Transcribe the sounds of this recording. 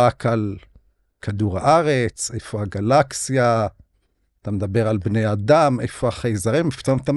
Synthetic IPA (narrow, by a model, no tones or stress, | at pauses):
akal | kʰaduʁaʔaʁet͡sejfoaɡalaksija | t̪amed̪abe̞ʁalbnejad̪amefoaχejzaʁimift̪omt̪am